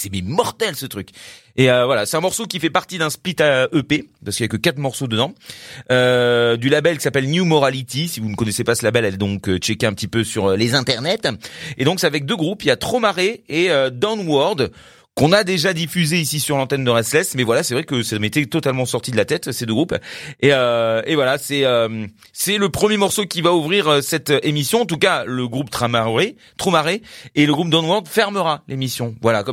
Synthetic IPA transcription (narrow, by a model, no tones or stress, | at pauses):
sɛmɛmɔʁt̪ɛlsət̪χykʲ | eøvwalasɛ̥t̪ɛ̃mɔʁsokʲifɛpaʁt̪id̪ɛ̃split̪aʔøpepaskəiljakəkat̪χmɔʁsod̪əd̪ɑ̃ød̪ylabɛlkʲi̥sapɛlnjumɔʁalit̪isivunəkɔnɛsepasəlabɛlɛld̪ɔ̃køt͡ʃɛkeɛ̃pət̪ipøsyʁølezɛ̃t̪ɛʁnɛt̪ed̪ɔ̃ksɛavɛk̚d̪øɡʁupiljat̪χomaʁeeød̪ɔ̃nwɔʁd̪ | kɔ̃nad̪eʒad̪ifyzeisisyʁlɑ̃t̪ɛnd̪əʁɛslɛsmɛvwalasɛvʁɛkəsɛmet̪ɛt̪ɔt̪almɑ̃sɔʁt̪id̪əlat̪ɛt̪sed̪øɡʁupeøevwalasɛøm | sɛləpχəmjemɔʁsokʲivauvʁiʁøsɛt̪ʔemisjɔ̃ɑ̃t̪̬ukaləɡʁupt̪χamae | t̪χomaʁeːləɡʁup̚d̪ɔnwɔʁd̪fɛʁməʁalemisjɔ̃vwalakɔ